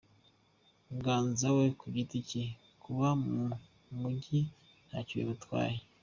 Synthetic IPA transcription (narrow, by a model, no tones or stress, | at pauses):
ŋɡaːnzawekuɟitici | kuβamu | muɟi | n̥haciwḛβatwa̰ːje